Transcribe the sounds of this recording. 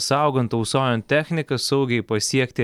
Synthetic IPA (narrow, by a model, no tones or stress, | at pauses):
sɑˑʊɡɐnt̪ɐʊsoːjɛnt̪ʲæːxʲnʲɪkɐsɐʊɡʲɛɪpɐsʲiɛkt̪ʲɪ